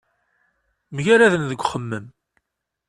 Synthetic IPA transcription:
mʝæɾæðənðəɡʷχəmːəm

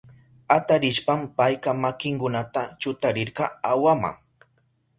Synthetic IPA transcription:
at̪aɾɪʃpampajkamakɪŋkʊnat̪at͡ʃʊt̪aɾɪɾqɑawama̰ŋ

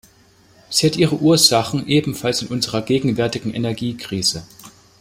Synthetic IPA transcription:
z̥iːhatʔiːʁ̞əʔuːɐzaχn̩ʔeːbm̩falsɪnʔʊnzəʁɐɡeːɡŋ̩vɛɐtɪɡŋ̩ʔɛ̰nɛɐɡiːkʁ̥iːz̥ə

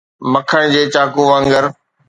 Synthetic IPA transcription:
mɐkʰəɽ̃d͡ʑeːt͡ɕaːkuʋãŋɡəɾ

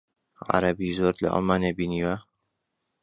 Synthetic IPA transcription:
ʕa̰ɾɐbizoɾlɐ̰ʔa̰lˠmaːnebiːniːwa

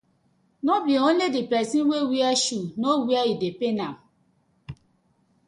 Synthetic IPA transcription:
nɔbion̩ledipɛsĩnwewiaʃunowiaidepenam̩

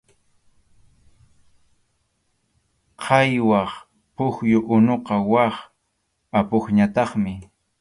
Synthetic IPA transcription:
qʰɑjwɑχ | pʊxjʊʔʊnoqɑwɑχ | apoχɲat̪ɑχmɪ

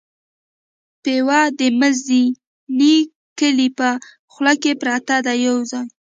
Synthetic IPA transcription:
pewɑd̪əməzd̪i | ni | kəlipə | xlakepɾɑt̪ad̪ajawzaj

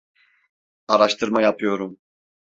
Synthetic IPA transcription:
aɾaʃt̪ʰɯɾmajapʰɯjo̞ɾum

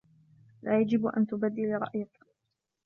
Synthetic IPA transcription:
laːjad͡ʒɪbʔa̰nt̪ʊbad̪ːɪlɾˤɑ̰ʔjak

